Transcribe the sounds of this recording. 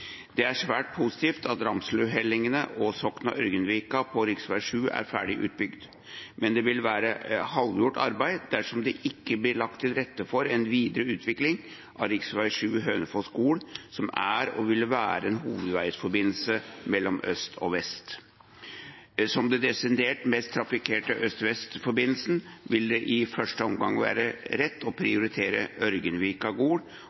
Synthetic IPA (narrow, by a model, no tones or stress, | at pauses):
d̪̥ɛæʂʋæːʈ̚pʰʊsɪ̥t̪iːft̪ɑt̪ɾɑmslʉɦɛlːɪŋənəʔɔsɔknɑʔœɾɡənʋiːkɑpʰɔɾɪksʋæɪʂʉːʔæ̰ɾfæ̰ːɖɪʔʉ̰ːt̪̚bʏɡd̪ | mʔɛnd̪ɛʋɪlʋæːɾəhɑlʋjʊʈːɑ̰ɾbæɪd̪æʂɔmd̪ɛʔɪkːəblɪɭɑk̚t̪ʰːɪlɾɛt̪ːəfɔɾɛnʋiːd̪əɾəʉːt̪ʰʋɪklɪŋ | ʔɑɾɪksʋæɪʂʉːɦøːnəfɔskuːɽsɔmæɾɔʋɪlːəʋæːɾəɛnɦuːʋəd̪ʋæɪsfɔɾbɪnl̩səmɛlːɔmœ̰st̪ʰɔ̰ʋɛst̪ | sɔmd̪ɛd̪ɛsɪnd̪eːʈmɛst̪ʰːɾɑfɪkʰeːʈəʔœst̪ʋɛst̪fɔɾbɪnl̩sn̩ʋɪld̪ɛʔɪfœʂʈəɔmɡɑ̰ŋːʋæ̰ːɾəɾɛt̪ːɔpʰɾɪʊɾɪt̪ʰeːɾəœɾɡənʋɪːkɑɡoːɽ